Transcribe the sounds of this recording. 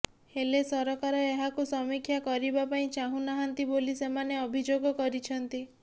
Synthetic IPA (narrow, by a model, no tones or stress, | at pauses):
helesɔɾɔkaɾɔeɦakusɔmikʰːjakɔɾibapaĩt͡ʃaɦũnaɦant̪ibolisemaneɔbʱid͡ʒoɡɔkɔɾit͡ʃʰɔnt̪i